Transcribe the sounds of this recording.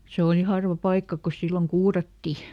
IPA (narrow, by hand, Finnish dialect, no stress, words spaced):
se oˑli hɑrʋɑ pɑikːɑ ko silːoŋ kuːrɑtːi